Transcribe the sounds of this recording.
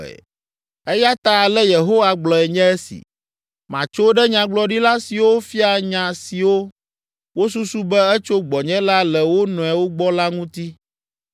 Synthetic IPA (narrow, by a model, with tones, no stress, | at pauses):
ɛ˦ja˦t̪a˨lɛ˦je˨ɦo˦wa˨ɡ͡blɔ˨ɛ˨ɲɛ̃˦ɛ˦sḭ˨ | mã˨t͡ʃo˦ɖɛ˦ɲã˨ɡ͡blɔ˦ɖi˦la˦si˨wo˦fi˦a˨ɲã˨si˨wo˦ | wo˦s̬u˦su˦bɛ˦ɛ˦t͡ʃo˦ɡ͡bɔ˨ɲɛ̃˦la˦lɛ˨wo˦nɔ̃˨ɛ˨wo˦ɡ͡bɔ˦la˦ŋũ˦t̪i˦